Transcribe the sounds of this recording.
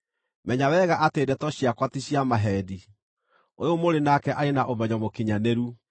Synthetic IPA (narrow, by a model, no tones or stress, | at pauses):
mɛɲawɛɣaʔatedɛtɔɕiakwatiɕiamaɦɛdi | ojomoɾenakɛʔaɾenaʔomɛɲɔmokiɲaneɾu